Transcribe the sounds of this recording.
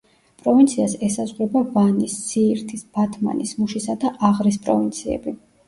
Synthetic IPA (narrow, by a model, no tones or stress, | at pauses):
pʼɾɔvint̪sʰiasɛsazʁɾɛbavanisːiːɾt̪ʰisb̥at̪ʰma̰nismuʃisad̪aʔaʁɾis̬pʼɾɔvint̪sʰiɛ̰bi